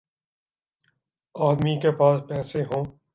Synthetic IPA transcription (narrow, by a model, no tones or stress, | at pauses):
aːd̪mikepaːspɛːseɦõː